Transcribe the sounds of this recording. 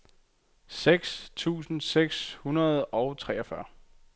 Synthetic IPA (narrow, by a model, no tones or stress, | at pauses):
seɡ̥st͡sʰṵːsn̩seɡ̥shunɐð̞̩ˠɒ̽ʊt͡sʰʁɛːɒ̽fɶɐ